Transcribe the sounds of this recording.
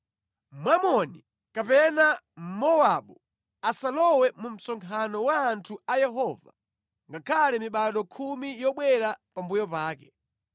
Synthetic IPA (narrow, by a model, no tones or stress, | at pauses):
mwamɔni | kapɛna | m̩mɔwaɓu | asalɔwɛmum̩sɔŋkʰanɔwaːntʰuajɛɦɔːva̰ | ŋɡakʰalɛmiɓaɗɔkʰumijɔɓwɛɾapambujɔpaːkɛ